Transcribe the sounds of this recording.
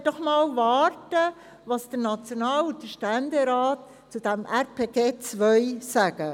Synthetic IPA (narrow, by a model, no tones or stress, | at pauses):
d̥ɔχmɑːlʋɑːɾtə | ʋɑːsd̥əɾnɑt͡sjonɑːlun̚d̥əʃtændeɾɑːt | t͡sud̥æmʔæɾpʰeːɡeːt͡sʋœʏsæɡ̥ə